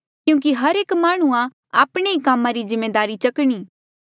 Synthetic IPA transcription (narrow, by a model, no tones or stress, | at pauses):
kjũːk̬iɦɐɾeːkmaːɽ̃uã | aːpɽ̃eikaːmãɾizɪmːeːd̪aːɾit͡ʃɐkɽ̃iː